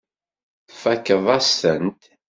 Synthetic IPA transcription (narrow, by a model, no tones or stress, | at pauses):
fækːəðˤɑsənt̪